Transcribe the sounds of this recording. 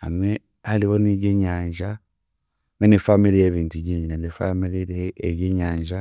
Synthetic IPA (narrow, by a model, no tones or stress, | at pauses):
ha̰nwe | haliβoniɟeɲaːɲʒa | ŋenifamiɾijeβiːntuɟiːɲinenifamiɾiɾieeβjiːɲaːɲʒa